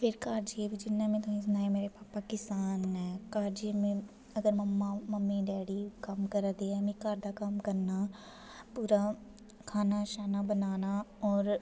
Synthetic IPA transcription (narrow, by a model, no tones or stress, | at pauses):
pʰɪɾkaːɾd͡ʒiebʱid͡ʒɪnːamẽt̪õĩsnaːɦɛ̃meːɾepaːpaːkɪsaːnɦɛkaːɾd͡ʒimẽ | ɐɡəɾmɐmːaməmːiɖɛːɽikɐmkəɾd̪eɛmĩkaːɾd̪akɐmkəɾna | puːɾa | kʰaːnaʃaːnabənaːnaɔːɾ